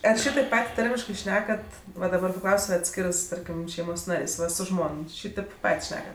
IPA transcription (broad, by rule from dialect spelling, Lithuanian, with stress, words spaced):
ɐr ˈʃʲiːtɐɪp ˈpɐtʲ ˈtɐrʲmʲɪʃkɜ ˈʃʲnʲæːkɐt ʋɐ dɐˈbɐr pɐˈklˠɐʊsʲ sʊ ɐtʲˈsʲkʲɪrɜs ˈtɐrʲkʲɪm ˈʃʲɛɪmoːs ˈnɑːrʲeːsʲ ˈʋɐ sʊ ˈʒmoːn ˈʃʲiːtʲeːp ˈpɐtʲ ˈʃʲnʲæːkɐt